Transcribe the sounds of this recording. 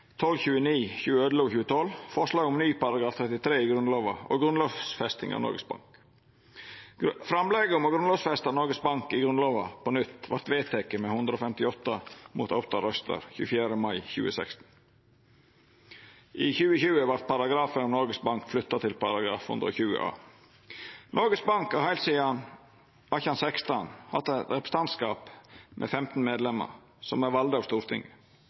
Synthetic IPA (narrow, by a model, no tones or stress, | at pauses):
t̪ʰɔlçʉːəniːçʉːəœːd̪loːɡçʉːət̪ʰɔlfɔʂlɑːɡʊmnyːpɑɾɑɡɾɑːft̪ʰɾɛt̪ɪt̪ʰɾeːɪɡɾʉnloːʋɑʔo̰ɡɾʉnlɔsfɛst̪ɪ̰ŋɑ̰ʋnɔ̰ɾɡəsbɑ̰ŋk | fɾɑmlɛɡəʊmɔɡɾʉnlɔːʋsfɛst̪ɑnɔɾɡəsbɑŋkɪɡɾʉnloːʋɑpɔnʏt̪ːʋɑɾt̪ʋeːt̪ʰɛkəmɛhʉnd̪ɾəɔfɛmt̪ɪɔt̪ːɑmṵːt̪ʰɑpt̪ɑɾœst̪ə̰ɾçʉ̰ːfjæːɾəmɑɪçʉ̰ːəsɛkst̪n̩ | ʔiːçʉːəçʉːəʋɑɾt̪̚pʰɑɾɑɡɾɑːfənɔmnɔɾɡəsbɑŋkflʏt̪ːɑt̪ʰɪlpʰɑɾɑɡɾɑːfhʉ̰nd̪ɾɔ̰çʉːə̰ʔɑ̰ː | nʔɔɾɡəsbɑŋkɑhæɪlsiːɑn | ɑçəɑnsɛkst̪ɑnhɑd̪ət̪ɾɛpɾə̥st̪ɑnt̪skɑːpmʔɛ̰fɛmt̪n̩meːd̪lɛmə̰ɾ | sɔmæʋɑld̪ɑst̪uːɾt̪ʰɪŋːə